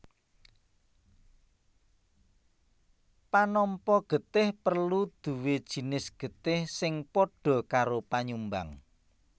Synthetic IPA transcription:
panɔmpɔɡ̥ə̤t̪ɪhpərlud̪̥ṳwed̥ʒ̥i̤nɪsɡ̥ə̤t̪ɪhsɪŋpɔɖ̥ɔ̤kaɾopaɲumba̰ŋ

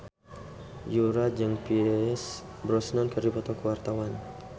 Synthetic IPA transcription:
juɾad͡ʒaŋpis | bəɾɔsnankərdipɔt̪ɔkəwart̪awan

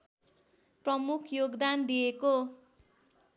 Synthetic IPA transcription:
prʌmukʰjoɡd̪and̪ijeko

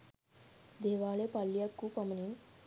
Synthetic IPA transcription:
d̪eːʋaːɭepalːijakːupɐmɐnin

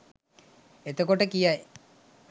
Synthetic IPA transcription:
et̪okoʈəkija

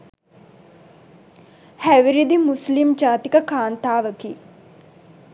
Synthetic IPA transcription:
hæʋiɾid̪imuslimd͡ʒaːt̪ikəkaːnt̪aːʋəkiː

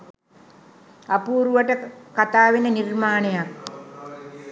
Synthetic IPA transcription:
ɐpuːɾuʋəʈəkat̪aːʋinənirmaːnejak

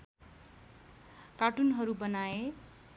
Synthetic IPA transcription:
kaʈunɦʌɾubʌnae

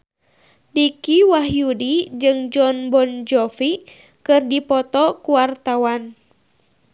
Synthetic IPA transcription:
dikiwaɦjudid͡ʒɨŋd͡ʒɔnbɔnd͡ʒɔfi | kɨrdipɔt̪ɔkuwart̪awan

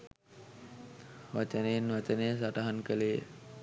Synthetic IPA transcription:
ʋat͡ʃənenʋat͡ʃənəjəs̬aʈaɦankəleː

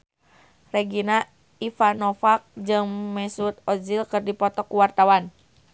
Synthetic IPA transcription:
rɛɡina | ifanɔfak̚d͡ʒɨŋmɛsut̪̚ɔd͡ʒilkɨrdipɔt̪ɔkːuwart̪awan

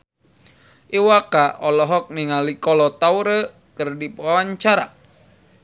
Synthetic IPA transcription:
ʔiwakaʔɔlɔɦɔk̚niŋalikɔlɔt̪auɾə | kərdipwawaɲt͡ʃaɾa̰

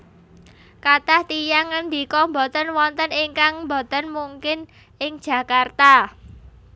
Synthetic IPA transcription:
kat̪aht̪ijaŋənd̪i̤kɔmbɔt̪ənwɔnt̪əniŋkaŋmbot̪ənmuŋkɪn | ɪŋ̥ʒ̥ä̤kart̪a

